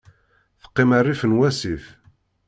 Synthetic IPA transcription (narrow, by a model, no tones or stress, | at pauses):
θə̥qːɪmərːifənwæsif